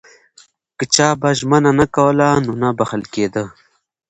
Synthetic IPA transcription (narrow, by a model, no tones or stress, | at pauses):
kət͡ʃɑːbaʒmənanakawəlanonabɐxəlked̪ə